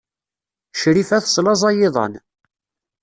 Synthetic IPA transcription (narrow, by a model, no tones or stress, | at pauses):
ʃɾifæθsˤlɑzˤɑjɪðˤɑ̰n